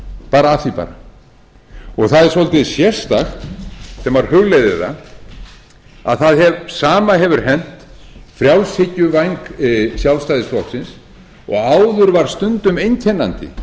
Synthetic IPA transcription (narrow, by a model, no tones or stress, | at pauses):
paːɾaaθipa̰ːɾa | ɔɣθaðɛɾ̥sɔlt̪ɪðsjɛ̥st̪axsɛmvaɾ̥hʏɣlejðɪða̰ | a̰ðθaðhɛvsaːmaɦɛvʏɾ̥ɦɛn̥t̪ | fɾjawlsɪcʏvajŋksjawlst̪ajðɪsflɔhksɪns | ɔ̰ɣaːwðʏɾvaɾ̥st̪ʏnt̪ʏmejncʰɛnːant̪ɪ̰